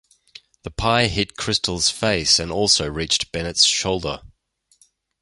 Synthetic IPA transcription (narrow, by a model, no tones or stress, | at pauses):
ðəpʰaɪɦɪd̚kʰɹ̥ɪstʰl̩ˠz̥feɪsɨ̃nɔˑlˠsəʊɹiˑt͡ʃb̥ɛnɨtsʃoʊlˠdə˞